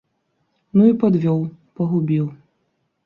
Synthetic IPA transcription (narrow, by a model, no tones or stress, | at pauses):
nuipɔd̪vʲɔwpɔɦubʲiw